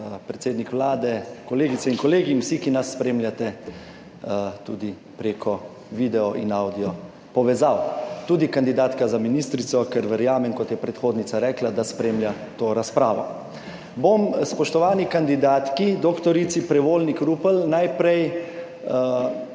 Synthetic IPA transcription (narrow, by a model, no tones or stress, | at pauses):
pɾɛt̪seːd̪nikʋlaːd̪ɛkɔleːɡit̪sɛinkɔleːɡinwsikinasːpɾeːmljat̪ɛ | t̪uːd̪i | pɾeːkʰɔ | ʋiːd̪ɛɔʔinawd̪ijɔ | pɔʋɛzawt̪uːd̪ikand̪id̪aːt̪kazaminist̪ɾit̪sɔkɛɾʋəɾjaːmɛŋkɔt̪jɛpɾɛt̪xoːd̪nit̪saɾɛːklad̪aspɾeːmlja | t̪oːɾaspɾaːʋɔ̰ | bomspɔʃt̪ɔʋaːnikand̪id̪aːt̪kid̪okt̪ɔɾit̪sipɾɛʋoːlnikɾuːpəlnajpɾɛj